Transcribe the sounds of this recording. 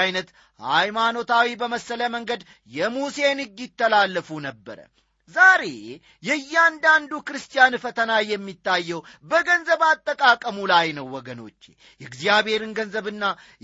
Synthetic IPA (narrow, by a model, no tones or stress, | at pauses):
jnət̪ | hajmano̞t̪ʰawibəməsːələməŋɡəd̪ | jɛmuse̞nɨɡːɪt̪ːəlalːəfunəbːə̰ɾə̰ | zaɾe̞̰ | jɛjːɪand̪and̪ukɨɾɨst̪ʼijanfət̪ʰənajɛmːit̪ːajːɛwbəɡənzəβat̪ʼːəkʼakʼəmulajnəwːɔɡəno̞̰t͡ʃːḛ | jɛɡzjabhe̞ɾɨnɡənzəβɨnːa